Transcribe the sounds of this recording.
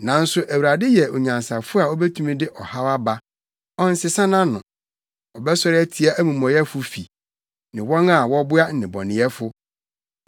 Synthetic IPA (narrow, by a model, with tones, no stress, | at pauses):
nã˨n̩˦sʊ˦ʔæ˨wu˨ɾa˨dɪ˦jɛ˨ʔo˨ɲã˨n˨sa˨fʊ˦a˨ɔ˦bɛ˦tʰũ˦mĩ˦dɪ˦ʔɔ˨ha˦wa˦ba˦ | ɔ̃˦n̩˦sɪ˦sã˦nã˦nʊ̃˨ | ɔ˨bɛ˦sɔ˦ɾɪ˦ɛ˦tʰi˦a˦ʔæ˦mũ˨mɔ̃˨jɛ˦fʊ˦fḭ˨ | nɪ̃˨wɔ̃˦ŋa˨wɔ̃˦bʊ˦a˦n̩˨nɪ̃˨bɔ̰˨nɪ̃˨˦ɛ˦fʊ˦